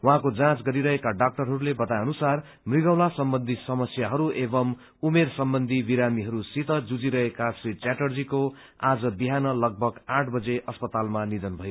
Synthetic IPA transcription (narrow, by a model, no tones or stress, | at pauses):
wuɦãkod͡zãt͡sɡʌɾiɾʌɦekaɖak̚ʈʌrɦʌɾulebʌt̪ajʌnusar | mriɡʌwlasʌmbʌnd̪ʱisʌmʌsjaɦʌɾuebʌm | umersʌmbʌnd̪ʱibiɾamiɦʌɾusit̪ʌd͡zud͡ziɾʌɦekasit͡saʈʌrd͡ziko | ad͡zʌbiɦanʌlʌɡ̚bʱʌɡãʈʰbʌd͡zeʔʌspʌt̪almanid̪ʌnbʱʌjo